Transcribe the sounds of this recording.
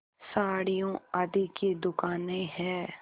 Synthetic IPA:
saːɽijõaːd̪iked̪ʊkaːnẽɦɛː

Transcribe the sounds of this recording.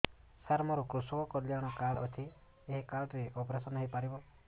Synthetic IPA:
saɾmɔɾɔkɾusɔkɔkɔljaɽ̃ɔkaɭʔɔ̰t͡ʃʰi | eɦikaɾʈɾeʔɔpɾesɔnɔɦipaɾibɔ

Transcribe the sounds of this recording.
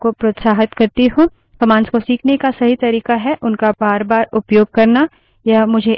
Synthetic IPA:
kopɾot̪saːɦɪt̪kɐɾt̪eɦõː | kɐmaːnskosiːkʰnekasɐɦit̪ɐɾiːkaɦɛʔʊnkabaːɾbaːɾʊpjoːɡ̚kɐɾna | jamʊd͡ʒʱe

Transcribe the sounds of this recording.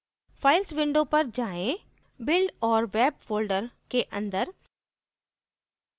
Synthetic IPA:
fʰaːɪlsʋɪ̃ɳɖõpɐɾd͡ʒaːẽ | bɪlɖɔːɾʋɛːbfoːlɖəɾkeʔɐ̃nd̪əɾ

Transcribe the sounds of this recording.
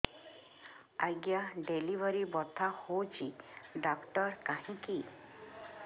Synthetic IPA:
aɡjaɖelibɔɾibɔt̪ʰahot͡ʃʰiɖakʈɔɾkaɦĩki

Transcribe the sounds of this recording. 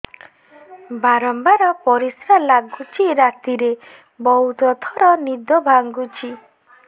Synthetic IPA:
baɾɔmbaɾɔpɔɾisalaɡut͡ʃʰiɾat̪iɾe | bɔɦut̪ɔt̪ʰɔɾɔnid̪ɔbʱaŋɡut͡ʃʰi

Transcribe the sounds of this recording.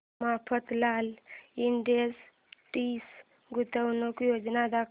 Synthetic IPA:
mapʰət̪laliɳɖiəs | ʈis | ɡut̪əwnəkjod͡ʒnad̪ak

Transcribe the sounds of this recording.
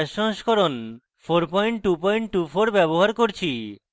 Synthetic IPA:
ʃɔɦʃkɔɾon | fʰoɾpɔjɳʈʈupɔjɳʈːufʰoɾbɛβoɦaɾkoɾt͡ɕʰi

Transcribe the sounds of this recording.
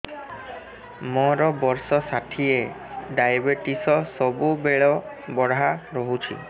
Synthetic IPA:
mɔɾɔbɔɾsɔsatʰie | ɖajbeʈisɔsɔbubeɭɔ | bɔɽɦaɾɔɦut͡ʃʰḭ

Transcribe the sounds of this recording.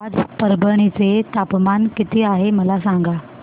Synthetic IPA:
ad͡zpəɾbəɽ̃it͡set̪apmankit̪iːaɦeməlasaŋɡa

